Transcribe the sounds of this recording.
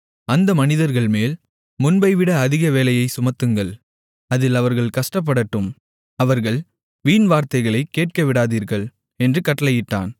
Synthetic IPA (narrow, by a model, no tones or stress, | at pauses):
ɐnd̪ɐmɐnɪðɐɾɣɐɭmeːl | mʊnbɐɪʋɪɽɐːðɪɣɐʋeːlɐjɐɪsʊmɐt̪ːɯŋɡɐɭ | ɐðɪlɐʋɐɾɣɐɭkɐʂʈɐp̬ːɐɽɐʈːɯm | ɐʋɐɾɣɐɭ | ʋiːnʋaːɾt̪ɐɪɣɐɭɐɪkːeːʈ̚kɐʋɪɽaːðiːɾɣɐɭ | ɛndrɯkɐʈːɐlɐjɪʈːa̰ːn